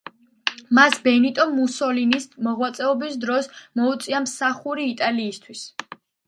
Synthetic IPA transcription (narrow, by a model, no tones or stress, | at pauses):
masbɛnit̪ʼɔmːusɔlinismɔʁwat̪sʼɛɔbisd̪ɾɔsmɔut̪sʼiamsaχuɾiːt̪ʼaliːst̪ʰwis